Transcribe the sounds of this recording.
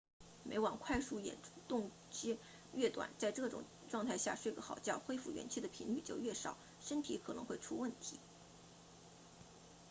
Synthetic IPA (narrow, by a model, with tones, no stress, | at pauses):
me˧˥ɪwɑ˨˩ŋkʰwa˥˧ɪʂu˥˩jɛ̰˨˩nt̪ʊ˥˧ŋ | t͡ɕɛ˥ | ɥɛ˥˩t̪wa̰˨˩˦nt͡sa˥˧ɪʈ͡ʂɤ˥˩ʈ͡ʂʊ̰˨˩ŋ | ʈ͡ʂwɑ˥˧ŋt̪ʰa˥˧ɪɕja̰˥˩ʂwe˥˩ɪɡə˧xɑ˨˩ʊt͡ɕjɑ˥˩ʊxwe˥ɪfu˥˩ɥɛ̰˧˥nt͡ɕʰy˥˩d̪ə˩pʰi˧˥ŋly˥˧˩t͡ɕjo˥˧ʊɥɛ˥˩ʂɑ˨˩˦ʊ | ʂə˥nt̪ʰi˧˥kʰɤ˨˩nɤ˧˥ŋxwe˥˩ɪʈ͡ʂʰu˥wə˥˩nt̪ʰi˧˥